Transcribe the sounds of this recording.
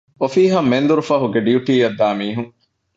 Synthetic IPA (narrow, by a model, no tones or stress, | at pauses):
ofiːɦɐmːend̪uɾufɐɦuɡeɖiuʈiːjɐd̪ːaːmiːɦuŋ